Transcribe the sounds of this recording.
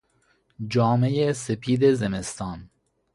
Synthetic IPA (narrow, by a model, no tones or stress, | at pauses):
d͡ʒɒːmejesepʰiːd̪ezemest̪ɒːn